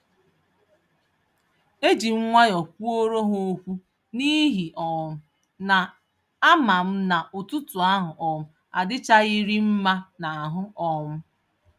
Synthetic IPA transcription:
e˦d͡ʒi˨ŋ͡m̩˦ŋʷa˦ɲɔ˨k̚ʷu˦o˦ɾo˦ɦo˦o˦kʷu˦ | ni˦ɦi˨ʔɔ˨m̩˦ | na˨ | a˦ma˨m̩˦na˨ʔʊ˨tu˦tu˨a˦ɦʊ˨ʔɔ˨m̩˦ | a̰˨dɪ˦t͡ʃa˦i˦ɾi˦m̩˦ma˦na˨a˨ɦʊ˦ɔ˦mʊ˦

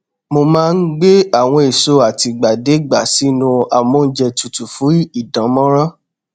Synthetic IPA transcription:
mo˧mãː˦˧n̩˦ɡ͡be˦a˦˨w̃ɔ̃˧e˨so˧a˨ti˧ɡ͡ba˨de˨˦ɡ͡ba˨si˨˦nũ˧a˨mo˨˦˧n̩˦d͡ʒɛ˧tu˨tu˨fũ˨˦i˦˨dã˨˦mɔ̃˦ɾɔ̃˦

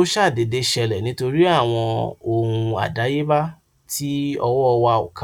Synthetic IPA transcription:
o˦ʃa˦˨de˨de˧ʃɛ˧lɛ˨nĩ˨˦to˧ɾi˦a˦˨w̃ɔ̃˧o˨hũ˧a̰˨da˨˦je˦ba˦ | ti˦ɔ˧wɔ˦ɔ˧wa˧o̰˨kã˨˦

